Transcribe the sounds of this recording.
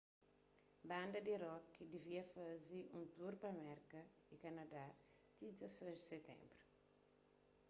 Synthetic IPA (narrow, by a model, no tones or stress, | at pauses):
bãnd̪ɐd̪iɾɔkːid̪iviɐfɐziũnt̪uɾpɐmɛɾkɐ | ikɐnɐd̪a | t̪izɐsɛʒd̪isɛt̪ɛ̰̃mbɾu̥